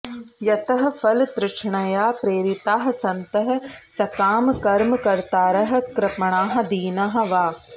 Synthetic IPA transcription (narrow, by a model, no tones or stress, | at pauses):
jɐt̪ɐɦɐ̆fʰɐlt̪ɾɪʂɳɐjaːpɾeːɾɪt̪aːɦɐsɐnt̪ɐɦɐ̆sɐkaːmkɐɾmkɐɾt̪aːɾɐɦɐ̆kɾɪpɐɳaːɦɐ̆d̪iːnaɦɐ̆ʋaː